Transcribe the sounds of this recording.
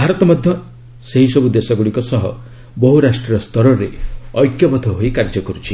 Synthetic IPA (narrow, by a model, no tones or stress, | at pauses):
bʱaɾɔt̪ɔmɔd̪ʱjɔ | seɦisɔbud̪esɔɡuɽikɔsɔɦɔ̰ | bɔɦuɾasʈɾiɾɔst̪ɔɾɔɾeɔjkjɔbɔd̪ʱɔɦojkaɾd͡ʒɔkɔɾut͡ʃʰi